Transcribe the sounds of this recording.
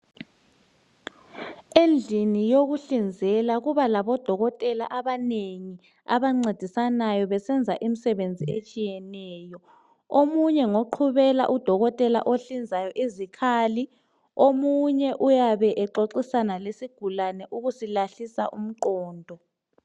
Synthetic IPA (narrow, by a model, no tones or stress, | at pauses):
end͡ɮʱinijoɣuɬind͡zʱɛlaɣuβalaβɔd̥ʱɔɣɔtʼɛla̰ʔaβaneŋi | a̰βaŋ͡ǀed̥ʱisanajɔβɛsɛnd͡zʱaʔim̩sɛβend͡zʱiet͡ʃʼijɛnɛːjɔ | omuɲɛŋoǃʰuβɛla̰ʔud̥ʱɔɣɔtʼɛla̰ʔoɬind͡zʱajɔʔizikʰaːli | omuɲɛʔujaβɛʔɛǁoǀisanalesiɡ̥ʱulanɛʔuɣusilaɬisa̰ʔum̩ǃɔːndʱɔ